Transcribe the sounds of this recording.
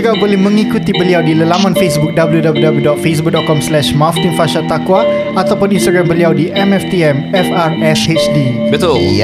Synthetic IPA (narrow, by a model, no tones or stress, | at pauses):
əɡaʔbolɪhmə̃ŋikut̪ibəliawdiləlamãnfesbuk̚dabəljudabljudabljudɔt̪̚fes̬buk̚dɔt̪̚kɔmslɛʃmaft̪infaʃat̪akwa | at̪awpʊninst̪aɡɾambəliawdiʔɛmɛft̪iɛmɛfarɛset͡ʃdibit̪u